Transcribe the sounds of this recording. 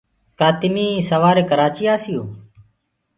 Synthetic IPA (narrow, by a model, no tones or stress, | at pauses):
kaːt̪ɪmiːĩːsəʋaːɾeːkəɾaːt͡ʃiːaːsɪjoː